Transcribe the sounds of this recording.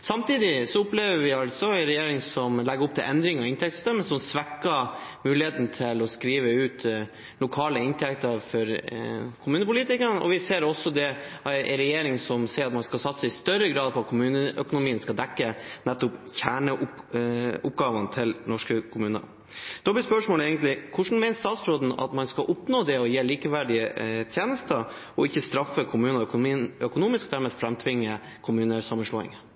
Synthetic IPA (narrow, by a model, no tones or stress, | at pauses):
sɑmt̪iːd̪ɪsɔʊpleːʋəɾʋɪɑlt̪sɔænɾɛjeːɾɪŋsɔmlɛɡəɾʊp̚d̪ɛ̰ʔɛnd̪ɾɪŋɑɾɪnt̪ʰɛk̚t̪sʏ̥st̪ɛmːəsɔmsʋɛkːəmʉːlɪheːt̪n̩t̪ʰɪlɔskɾiːʋəʉːt̪ | lʊkʰɑːləɪnt̪ʰɛkt̪əɾfɔɾkʰʊmʉːnəpʊliːt̪ɪkəɳʔɔ̰ʋɪseːɾɔsːɔd̪ɛʔɾɛjeːɾɪŋsɔmseːɾɑt̪mɑnskɑlsɑt̪ːsəɪst̪œɾəɡɾɑːd̪pʰɔɑt̪kʰʊmʉːnəʔœkʊnʊmiːənskɑld̪ɛkːənɛt̪ːʊpçæːɳəʊ | ʊp̚ɡɑːʋənt̪ʰɪlnɔʂkəkʰʊmʉːnə̰ | d̪̥ɔːb̪ɪspœʂmoːlɛɪɡənt̪lɪkʰʊʂn̩mɛɪnəst̪ɑːt̪sɾoːd̪n̩ɑ̰t̪mɑnskɑʔʊpnoːd̪ɛɔjeːɭiːkəʋæɖɪət̪ʰjeːnəst̪əɾ | ɔɪçːəst̪ɾɑfːəkʰʊmʉːnəkːnœkʊnuːmɪskd̪æɾmeːfɾɛmt̪ʰʋɪŋːə | kʰʊmʉːnəsɑmːənʂɭo̰ːɪ̰ŋə